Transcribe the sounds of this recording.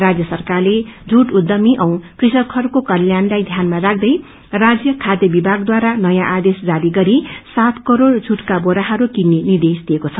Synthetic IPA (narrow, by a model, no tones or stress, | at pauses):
rad͡zjʌsʌrkarled͡zʱuʈud̪ːʌmiʔʌ̃w̃krisʌkʰːʌrkokʌljanlajd̪ʱjanmarak̚ʰd̪ʌj | rad͡zjʌkʰad̪jʌbibʱaɡd̪waɾanʌjãʔad̪esd͡zaɾiɡʌɾisat̪ʰkʌɾord͡zʱuʈkaboɾaɦʌɾukinːinird̪esd̪iekot͡sʰʌ